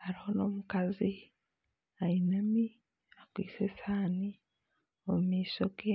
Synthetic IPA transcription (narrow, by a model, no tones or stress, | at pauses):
haɾiho̞no̞mukazi | ainami | akwiːsesaːni | omumiːsoɡe